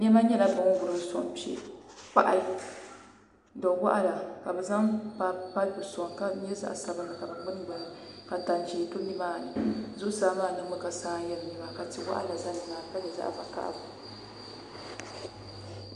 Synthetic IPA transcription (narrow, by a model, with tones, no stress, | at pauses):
n˦ɛ˦ma˦ɲɛ˦la˨bɨ˦ŋ˦ɡʊ˨ɾɨ˦sɔ̰˨mpi˦ɛ̰˦˨k͡pa̰˦ʔa˦li˨ | dɔ˨wa̰˦ʔa˦la˨ka˨bɛ˨za˦ŋpa˨pa˦lbɨ˨sɔ˨ŋka˦ɛ˦za̰˦ʔsa˨bɨ˦nɨ˨ka˨bɨ˨ɡ͡bɨ˦n˦ɡ͡ba˨na˨ka˨ta˨n˨t͡ʃiː˨to˦ni˦maː˦˨nɨ˨zʊ˦saː˦maː˦˨nɨ˦mmʊ˦ka˨saː˦jɛ˦lni˦ma˨ka˨ti˨wa̰˦ʔa̰˦la˨za˦nɨ˨maː˨ka˦bɛ˨za̰˦ʔva˨ka̰˦ʔbu˨